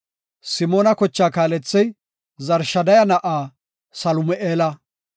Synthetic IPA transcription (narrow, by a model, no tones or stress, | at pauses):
sɪmoːnɐkɔt͡ʃːaːkaːlɛt͡sːɛj | zɐɾʃɐd̪ɐjɐnɐʔaː | sɐlʊmɛʔeːlɐ